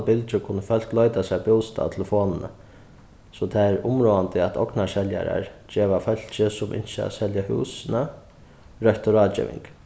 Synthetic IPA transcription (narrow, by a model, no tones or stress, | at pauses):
bɪlt͡ʃəkʰʊnːəfœl̥klɔʏt̪asɛjbjʊwst̪a̰ːt̪ʰɛləfoːnənə̰ | sɔt̪ʰaɛɾʊmɾoːant̪əɛt̪ʰɔknaʃɛlja̰ɾa̰ɹd͡ʒeːʋafœl̥t͡ʃɪsʊmʔɪ̰nʃəa̰sɛljahṵːsɪna | ɾœht̪ʊɾaːd͡ʒḛːʋɪ̰ŋk